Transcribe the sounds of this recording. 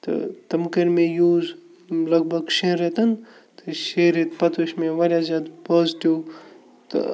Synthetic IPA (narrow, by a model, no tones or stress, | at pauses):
t̪ɨ̰t̪ɐmkɐɾmẽjuːz | lɐɡ̚bʱɐɡʃeːɾet̪ɐn | t̪ɨʃeːɾit̪pɐt̪ʰuʃmẽʋɐɾʲjazʲjad̪poːzʈiw | t̪ɨ̰